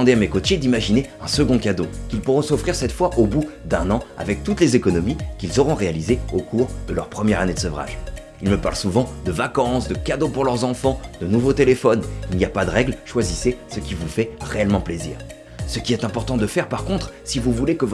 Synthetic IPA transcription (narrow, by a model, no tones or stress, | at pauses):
ɑ̃d̪eamekɔt̪jed̪imaʒineɛ̃səɡɔ̃kad̪okʲilpuʁɔ̃sɔfχiʁsɛt̪fwaʔobud̪ɛ̃nɑ̃a̰vɛk̚t̪ut̪lezekɔnɔmikʲilzɔʁɔ̃ʁealizeokʰuʁd̪əlœʁpχəmjɛʁaned̪əsɔvʁa̰ʒ | ilməpa̰ʁlsuvɑ̃d̪əvakɑ̃sd̪əkad̪opuʁlœʁzɑ̃fɑ̃d̪ənuvot̪elefɔnilnijapad̪əʁɛɡlʃwazisesəkʲivufɛʁeɛlmɑ̃plezḭːʁ | səkʲiɛt̪ɛ̃pɔʁt̪ɑ̃d̪əfɛʁpaʁkɔ̃t̪χsivuvulekəv